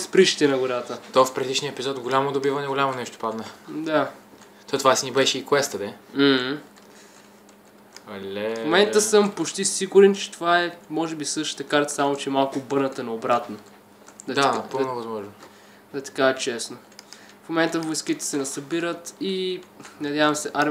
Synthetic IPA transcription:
spɾiʃi̥t̪ɛnɐɡoɾat̪ət̪ɔfpɾɛd̪iʃniəɛpizɔt̪ɡolʲamod̪obivɐnɛɡolʲamonɛʃt̪o̥pad̪nəd̪a | t̪ɔt̪ovasinibɛʃɛikwɛst̪əd̪ɛm̩h̩ | ɐlʲɛmomɛnt̪əsɤmpot͡ʃt̪isiɡʊɾɛnt͡ʃɛ̥t̪ovaɛmɔʒɛbisɤʃt̪ə̥t̪əkaɾt̪ə̥samot͡ʃɛɛmalˠkʊbɤɾnət̪ənɛobɾat̪no | d̪ɐd̪anɐpɤlˠnovɐzmɔʒno | d̪ɐt̪ɐ̥kaɛt͡ʃɛsno | fmomɛnt̪əvojskit̪ɛ̥sɛnɐsɐbiɾət̪inɐd̪ʲjavəmsɛʔaɾ

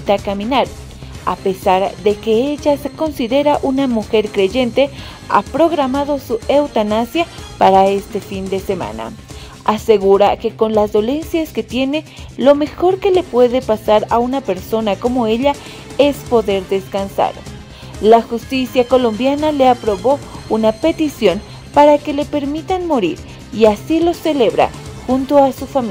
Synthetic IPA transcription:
t̪akaminaɾ | a̰pesaɾd̪ekeeʎasekonsiðeɾaʔunamuxeɾkɾeʝent̪e | a̰pɾoɣɾamaðosuewt̪anasjapaɾaest̪efind̪esema̰na̰ | aseɣuɾakekonlazd̪olensjasket̪jene | lomexoɾkelepweðepasaɾaunapeɾsonakomoeʎa | espoðeɾðeskansa̰ɾ | laxust̪isjakolombjanaleapɾoβounapet̪isjon | paɾakelepeɾmit̪anmoɾiɾ | iasiloseleβɾa̰xunt̪oasufami

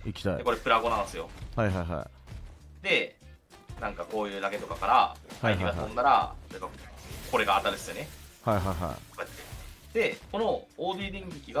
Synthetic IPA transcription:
ikʲi̥t̪aḭdeko̞ɾe̞pɯ̟ɾaɡo̞nãnsɨjo̞̰hajɦajɦa̰i | d̪e̞ | nãŋkako̞ːjɯ̟ːɾaɡe̞t̪o̞kakaɾaaikiaonnaɾa̰oekːako̞ɾe̞ɡaːt̪ːad̪esɨone̞hajɦajɦa̰okojat̪ːed̪̥e̞ko̞no̞oːd̪iːd̪ẽ̞ŋɡʲikʲiɡa

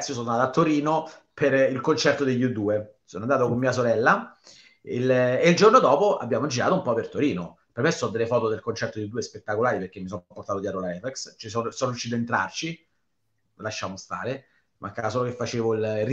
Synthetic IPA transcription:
sijos̬onand̪at̪at̪ːoɾiːnoperilkont͡ʃɛrt̪od̪eʎːud̪ːuːesoːnoand̪aːt̪okomːiːasoɾɛlːa | ileild͡ʒornod̪ɔːpoa̰bːjaːmod͡ʒiɾaːt̪oumpɔpːert̪oɾiːno | permesɔnod̪elːefɔːt̪od̪elkont͡ʃɛrt̪od̪jud̪uespet̪ːakolaːɾiperk̟emːisɔpoɾrt̪aːt̪od̪jɛt̪ɾolaɛvɛkst͡ʃisɔnsɔːnoɾjuʃːit̪aent̪ɾa̰rt͡ʃi | laʃːaːmost̪a̰ːɾe | mʔakːas̬oːlokefːat͡ʃeːvoilr

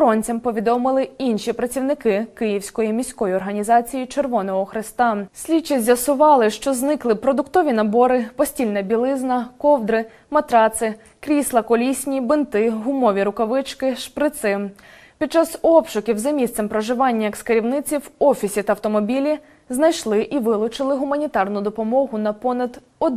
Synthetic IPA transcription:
ɔɾɔnʲt͡sʲɐmpɔʋʲid̪ɔmɪlˠɪinʲʃipɾɐt͡sʲiwnɪkɪkɪjiwsʲkɔjimʲisʲkɔjiɔrɦɐnʲizɑt͡sʲijit͡ʃerʋɔnɔɦɔxɾɪst̪ɑsʲlʲit͡ʃizʲjɐsʊʋɑlˠɪʃt͡ʃɔznɪklˠɪpɾɔd̪ʊkt̪ɔʋʲinɐbɔɾɪpɔsʲtʲilʲnɛbʲilˠɪznɐkɔwd̪ɾɪ | mɐt̪ɾɑt̪sɪ | kɾʲislˠɐkɔlʲisʲnʲibɪnt̪ɪɦʊmɔʋʲiɾʊkɐʋɪt͡ʃkɪʃpɾɪt̪sɪ | pʲid̪̚t͡ʃɑsɔpʃʊkʲiwzɐmʲist̪sɛmpɾɔʒɪʋɑnʲːɐjɐkskɐɾʲiwnɪt͡sʲiwɔfʲisʲit̪ɐɐwt̪ɔmɔbʲilʲi | znɐjʃlˠɪʔiʋɪlˠʊt͡ʃɪlˠɪɦʊmɐnʲit̪ɑrnʊd̪ɔpɔmɔɦʊnɐpɔnɐd̪ | ɔd̪

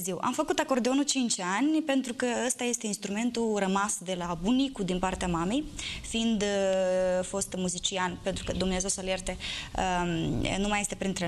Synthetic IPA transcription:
ziwʔa̰mfəkut̪ako̞rd̪eonut͡ʃint͡ʃanʲpe̞nt̪ɾukəəst̪aje̞st̪e̞inst̪ɾume̞nt̪urəmasd̪e̞labunikud̪inpart̪eamame̞jfiind̪ | fo̞st̪muzit͡ʃianpe̞nt̪ɾukəd̪umneaze̞wsəalje̞rt̪eənumaje̞st̪e̞pɾint̪ɾe

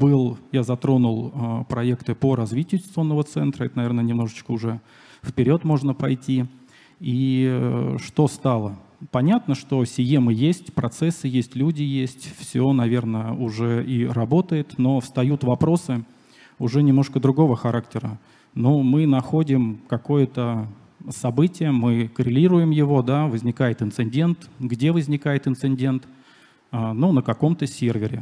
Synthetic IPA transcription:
bɨlˠjazɐt̪ɾo̞nʊlˠəpɾɐekt̪ɨpəɾɐzvʲitʲɪjʊsʲt̪o̞nːəvət̪sɛnt̪ɾəɛt̪ənɐvʲernənʲɪmno̞ʐət͡ɕkəʊʐɛ | fpʲɪɾʲo̞t̪mo̞ʐnəpɐjtʲi | i | ʂt̪o̞st̪ɑlˠə | pɐnʲat̪nəʂt̪o̞sʲɪjemɨjesʲtʲpɾɐt̪sɛsːɨjesʲtʲlʲudʲɪjesʲtʲfsʲonɐvʲe̞rnəʊʐɛirɐbo̞t̪əjɪt̪no̞fst̪ɐjut̪vɐpɾo̞sɨ | ʊʐɛnʲɪmnoʂkəd̪ɾʊɡo̞vəxɐɾaktʲɪɾə | no̞mɨnɐxodʲɪmkɐko̞jət̪ə | sɐbɨtʲɪjəmɨkəɾʲɪlʲiɾʊjɪmjɪvo̞d̪avəzʲnʲɪkajɪt̪ɨnt̪sɨnʲdʲe̞nt̪ɡdʲe̞vəzʲnʲɪkajɪt̪ɨnt̪sɨnʲdʲe̞nt̪ | anunəkɐko̞mt̪əsʲervʲɪɾʲɪ̰

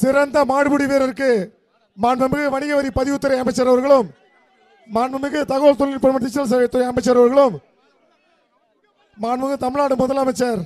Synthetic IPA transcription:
sɪɾɐnd̪ɐmaːɽɯbɯɽiʋeːɾɐɾɯkːɯ | maːɳʋɐmɯkːɯʋɐɳɪɣɐʋɐɾipɐðɪʊt̪ːɯɾɐɪɐmɐɪt͡ʃːɐɾɐʋɐɾɣɐɭɯmː | aːɳʋɐmɯkːɯt̪ɐɣoːlt̪ɔlːɪnpɐɳmɐt̪ːɪt͡ʃːɐls̬ɐʋet̪ːɯɾɐɪɐmɐɪt͡ʃːɐɾɐʋɐɾɣɐɭɯm | maːɳmɯkːɯt̪ɐmɪɻnaːɽɯmʊðɐlɐmɐɪt͡ʃːɐɾ

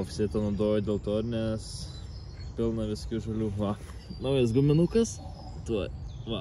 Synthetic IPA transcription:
oːfʲsʲeɪt̪ɐnɐːd̪oːjɛd̪ʲeːlˠt̪oːɾnʲɛs | pʲɪlˠnɐʋʲɪskʲuːʒɐlʲuːʋɐ | nɐʊjɐsɡʊmʲɪnuːkɐs | t̪uɔʋɐ

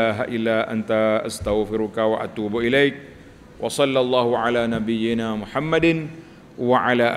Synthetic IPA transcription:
aːɦaʔɪlːaːʔa̰nt̪aʔa̰st̪aɣfɪɾʊkawaʔat̪uːbʔɪlajk̚ | wʔɑsˤɑlːɑlˤːɑːhʊʕalaːnabɪjːɪnaːmʊħamːad̪n | waʕalaːʔ

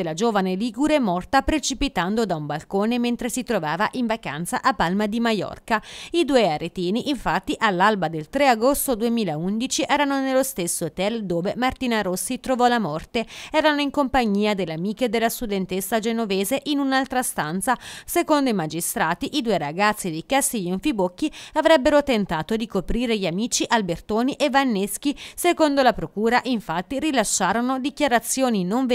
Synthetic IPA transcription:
elad͡ʒoːvaneliːɡuɾemɔrt̪apɾet͡ʃipit̪and̪od̪aumbalkoːnement̪ɾesit̪ɾovaːvaʔiɱvaka̰nt̪sa̰ʔapːalmad̪imajɔ̰rkaid̪uːeaɾet̪iːniʔiɱfat̪ːiʔalːalbad̪elt̪ɾeaɡost̪od̪uemiːlaund̪it͡ʃiʔɛːɾanonelost̪esːot̪ɛld̪oːvemart̪iːnaɾosːit̪ɾovɔlamɔrt̪eɛːɾanoiŋkompaɲːiːad̪elːeamiːk̟ed̪elːast̪ud̪ent̪esːad͡ʒenoveːzeʔinunalt̪ɾast̪ant̪sasekond̪oimad͡ʒist̪ɾaːt̪iʔid̪ueɾaɡat̪sːid̪ikasːiʎoɱfibokːiavɾɛbːeɾot̪ent̪aːt̪od̪ikopɾiːɾeʎamiːt͡ʃiʔalbert̪oːniʔevːanːesk̟isekond̪olapɾokuːɾaʔiɱfat̪ːirilaʃːaːɾonod̪ik̟jaɾat̪sːjoːninoɱv

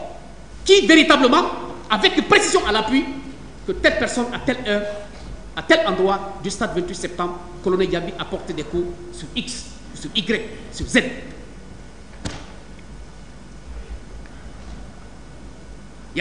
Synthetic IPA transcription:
kiveɾit̪abləmɑ̃avɛkynpɾesizjɔ̃alapɥi | kət̪ɛlpɛʁsɔnaɛ | at̪ɛlɑ̃d̪ʁwad̪yst̪ad̪vɛ̃nt̪it̪sɛp̚t̪ɑ̃bʁ | kɔlɔnɛljabiʔapɔʁt̪ed̪ɛku | syiks | syʁiɡɾɛksyʁzɛd̪ | j

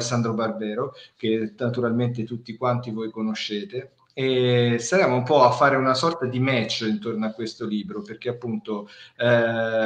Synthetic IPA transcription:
sːand̪ɾobarbɛːɾok̟enat̪uɾalment̪̬et̪ut̪ːikwant̪ivojkonoʃːeːt̪e | est̪aɾeːmoumpɔafːaːɾeunasɔrt̪ad̪imɛt͡ʃːint̪ornoakːwest̪oliːbɾoperk̟eapːunt̪o

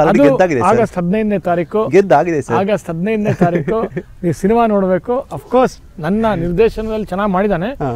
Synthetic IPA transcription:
ɐɐd̪uɛaːɡid̪eaːɡɐst̪ɦɐd̪nɐjd̪neːt̪aːɾiːkuɡed̪aːɡid̪esɐɾaːɡɐst̪ɦɐd̪nɐjd̪neːt̪aːɾiːkuniːsiniʋaːnoːɽbe̞ːkuɐpʰkoːɾs | nɐnːɐniɾd̪ɛːʃɐnɐd̪ɐlːit͡ʃɛnːaːɡmaːɽid̪aːne

